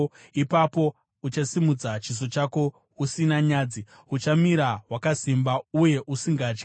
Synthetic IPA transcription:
ipapo̞ | ut͡ʃasimud͡zat͡ʃizo̞t͡ʃako̞ | usinaɲaːd͡zi | ut͡ʃamiɾawakasimbauje̞ʔusiŋɡaːt͡ʃki̥

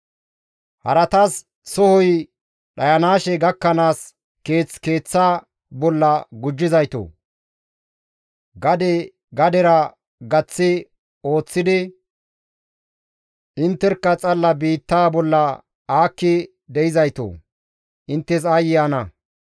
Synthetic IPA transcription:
hɐ̰ɾɐt̪as | sɔhɔj | ɗɐjɐnaːʃɛɡɐkːɐnaːs | ke̞ːt͡ske̞ːt͡sːaː | bɔlːɐɡʊd͡ʒːɪzɐjt̪o̰ː | ɡɐd̪ɛ | ɡɐd̪ɛɾɐ | ɡɐt͡sːɪ | o̞ːt͡sːɪd̪ɪ | ʔɪnt̪ːɛɾkːɐt͡sʼɐlːɐbiːt̪ːaːbɔlːɐ | aːkːɪ | d̪ɛjɪzɐjt̪o̰ː | ʔɪnt̪ːɛs̬aːjɪjanɐ

